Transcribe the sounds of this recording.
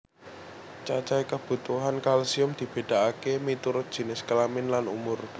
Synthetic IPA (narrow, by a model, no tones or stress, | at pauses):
t͡ʃat͡ʃaikəb̥ṳt̪uɦankalsiʊmd̪̥i̤b̥e̤ɖ̪̥a̤akemit̪uɾʊt̪̚d̥ʒ̥i̤nɪskəlamɪnlanumʊr